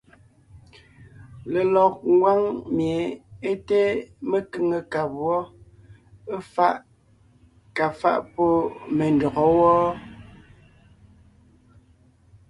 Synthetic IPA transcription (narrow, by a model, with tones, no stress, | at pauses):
le˨lɔ˨k̚ŋ˦ɡwa˦ŋmje˨˦e˦te˦me˨kʉ˦ŋə˨ka˨pwɔ˦ | e˦fa˦ʔ | ka˨fa̰˦ʔpo˦me˨n˨dɔ˨ɣɔ˨˦wɔː˦